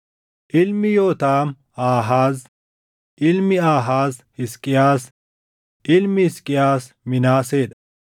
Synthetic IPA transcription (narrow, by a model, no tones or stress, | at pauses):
ʔɪlmɪjo̞ːt̪aːm | aːɦaːz | ʔɪlmɪaːɦaːzhɪskʼːɪjaːs | ʔɪlmɪhɪskʼːɪjaːs | mɪnaːse̞ːd̪ɐɐ